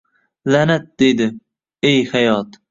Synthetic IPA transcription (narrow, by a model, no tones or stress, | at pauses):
lænæt̪̚d̪̥ejd̪ɪ | ejhajɒːt̪